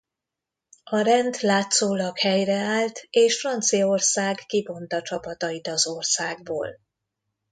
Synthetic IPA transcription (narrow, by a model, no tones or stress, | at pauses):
ɒɾɛnt̪laːt̪soːlɒkhɛjrɛaːlt̪eːʃfrɒnt̪sijɒorsaːɡkibo̞nt̪ɒt͡ʃɒpɒt̪ɒjit̪ɒzo̞rsaːɡ̚bo̰ːl